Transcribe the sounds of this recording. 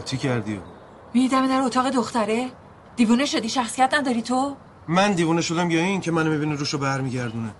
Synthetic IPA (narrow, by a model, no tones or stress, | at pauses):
t͡ʃʰicʰæɾd̪io̰ | mid̪id̪æmed̪æɾot̪ʰɒːɣe̞d̪oxt̪æɾe | d̪̥iːvuːneʃo̞d̪iːʃæxsijæt̪næd̪ɒɾiːt̪ʰo | mænd̪iːvuːneʃod̪æmjɒːiːŋcʰemænomibiniɾuʃobæɾmiːɟæɾd̪une